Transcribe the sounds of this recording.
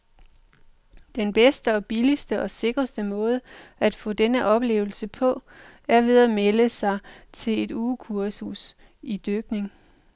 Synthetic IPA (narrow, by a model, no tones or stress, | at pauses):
d̥enb̥esd̥əɒ̽b̥ilisd̥əʔɒ̽se̝ɡ̥ʁɐsd̥əmɔ̽ːð̞ˠəæd̥fɔ̰̽ːd̥enəʔɒ̽b̥le̝̰ːʊl̩səpʰɒ̽æɐʋe̝ð̞ˠæmeləsɑ̈ɪt͡sʰe̝le̝d̥uːkʰuɐsus | id̥øɡ̥ne̝ŋ